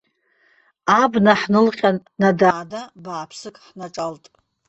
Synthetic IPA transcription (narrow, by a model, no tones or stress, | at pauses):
abnaħnɨlχʲanːadaːdabaːpʰsɨkʼħnaʈ͡ʂʼaltʼ